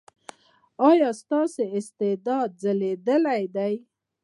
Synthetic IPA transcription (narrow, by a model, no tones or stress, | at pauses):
ɑjɑst̪ɑseɪst̪ɪd̪ɑd̪̚zəled̪əlajd̪aj